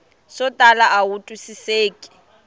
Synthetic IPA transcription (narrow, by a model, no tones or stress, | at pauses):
sɔtʼalaʔautʼusiseːkʼɪ̥